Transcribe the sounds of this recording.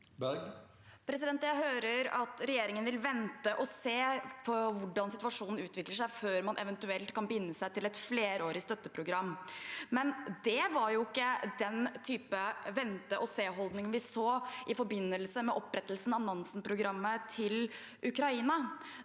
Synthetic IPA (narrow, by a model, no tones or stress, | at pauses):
b | pʰɾɛsɪd̪ɛnt̪jæɪɦøːɾəɾɑ̰t̪ɾɛjeːɾɪŋənʋɪlʋɛnt̪əʔɔseːpʰɔʋʊɖɑnsɪt̪ʉʋɑʂuːnn̩ʉːt̪ʰʋɪkləʂæɪføːɾmɑnʔɛ̰ʋɛnt̪ʉɛlt̪kʰɑnbɪnːəsæɪt̪ɪlɛt̪fleːɾoːɾɪst̪œt̪ːəpʰɾʊɡɾɑmːmɛnd̪ɛʋɑɾjʊɪkːəd̪ɛnt̪ʰyːpəʋɛnt̪əʔɔseːɦɔld̪nɪŋnʋɪsoːʔɪfɔɾbɪnːəlsəmɛʔɔpːɾɛt̪ːəlsn̩ɑnɑnsnpʰɾʊɡɾɑmːət̪ʰɪl | ʔʉkɾɑiːnɑ